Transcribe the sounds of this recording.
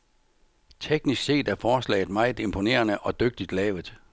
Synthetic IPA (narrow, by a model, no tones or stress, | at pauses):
t͡sʰeɡ̥nisɡ̥se̝̰ːd̥æɐfɒːslɛ̰ɪð̩ˠmɑ̈ɪð̩ˠe̝mpʰo̝ne̝̰ːɐnəʔɒ̽d̥øɡ̥̚d̥id̥lɛːʊð̩ˠ